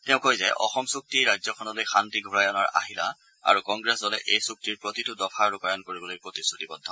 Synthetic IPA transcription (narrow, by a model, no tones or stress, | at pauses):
tɛʊ̃kojzɛ̰ʔɔ̰xɔmsuk̚tiɹajzɔkʰɔnɔlojxʰantiɡʱuɹajɔnaɹa̰ɦila̰ | a̰ɹukɔŋɡɹɛszɔlɛʔejsuk̚tiɹpɹotitʊdɔpʰaɹupaɹankoɹibɔlojpɹotisːutibɔdʱɔ